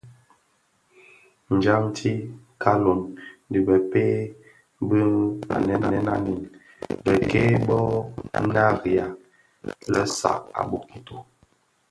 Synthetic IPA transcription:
n̩˨d͡ʒa˦ŋtʰi˦ | kʰa˦lo˨ndi˨bə˨pe˦ | bə˦a̰˨nɛ˦na˨ɛ˦na˦ni˨n | bə˨ke˦bɔ˦na˦ɾi˨a˨ | lə˦sa̰˨a̰˨bo˨ki˨to˨

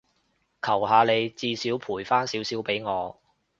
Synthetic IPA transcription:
kʰɐ˨˩wɦaː˨˧le˨˧jt͡siː˧siː˨˥wpʰuː˨˩jfaː˥nsiː˨˥wsiː˨˥wpe˨˥jŋɔː˨˧

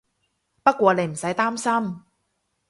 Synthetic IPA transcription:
pɐ˥t̚kʷɔː˧ne˨˧jm̩˨˩sɐ˨˥jt̪aː˥msɐ˥m

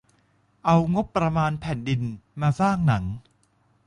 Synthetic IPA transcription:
ʔa˧wŋo˦˥pːɾa˧maː˧npʰɛː˨˩ndi˧nmaː˧saː˥˩ŋna˩˦ŋ

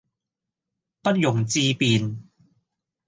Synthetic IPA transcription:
pɐ˥t̚jʊ˨˩ŋt͡siː˧piː˨n

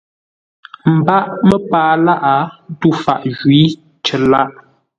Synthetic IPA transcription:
m̩˨ba˦ʔmə˦paː˦la˦ʔa˨˦tu˦˨fa̰˦˨ʔʒwi˨˦ | t͡ʃə˨la˦ʔ

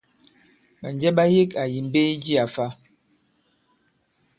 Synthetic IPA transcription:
ɓa˨nd͡ʒɛ˦ɓa˦je˦ka˨ji˨m˦be˦i˦d͡ʒi˦a˨fa˦

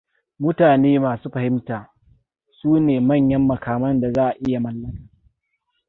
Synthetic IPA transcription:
mʊ˦taː˨neː˦maː˨suː˦ɸɐ˨hɪ˦mtaː˨ | suː˦neː˨mɐ˦˨ɲjɐ˦mːɐ˨kaː˨mɐ˦nda˨zaː˦ʔa˨ʔɪ˦ja˨mɐ˦lːɐ˦ŋ˦

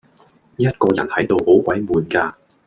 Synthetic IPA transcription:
jɐ˥t̚kɔː˧jɐ̰˨˩nhɐ˨˥jt̪o˨who˨˥wkʷɐ˨˥jmuː˨nkaː˧

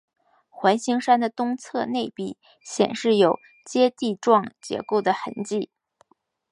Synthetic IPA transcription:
xwa˧˥nɕi˧˥ŋʂa˥nd̪ə˨t̪ʊ˥ŋt͡sʰɤ˥˧ne˥˧ɪpi˥˩ | ɕjɛ̰˨˩nʂɻ̩˥˩jo˨˩ʊ | t͡ɕjɛ˥t̪i˥˧ʈ͡ʂwɑ˥˩ŋt͡ɕjɛ̰˧˥ko˥˩ʊd̪ə˩xə̰˧˥nt͡ɕi˥˩

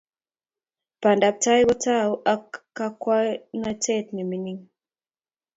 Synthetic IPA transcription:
pa˨nda˨p̚ta˦i˦kɔ˦ta˦u˦ʔa˦kːa˦kwa˦na˦tɛ˦tni˨mi˦ni˦ŋ

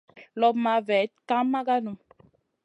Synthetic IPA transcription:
lɔ˦bma˨˦vɛ˨˦t̚ka˦mːa˦ɡa˦nu˨

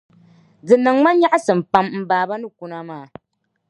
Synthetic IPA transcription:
dɨ˨nɨ˨ŋma˦ɲa˦ʔa˦sɨ˨m˨pa˦mm̩˦baː˨ba˦nɨ˦ku˦na˦maː˨

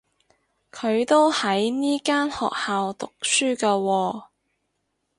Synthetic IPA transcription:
kʰɵ˨˧ɥt̪o˥whɐ˨˥jniː˥kaː˥nhɔ̰ː˨k̚haː˨wt̪ʊ˨k̚syː˥kɐː˧wɔː˧

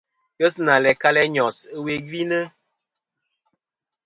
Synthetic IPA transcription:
kə˦sna˨lɛ˨ka˦lɛ˦ɲɔ˨sə˦we˦ɡi˦nə˦

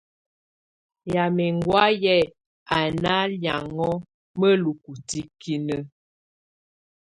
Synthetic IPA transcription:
ja˨mɛ˨ŋɡwa˦jɛ˦˨ | a˨na˦lja̰˨ŋɔ˦ | mə˦lu˨ku˨ti˦ki˦nə˦

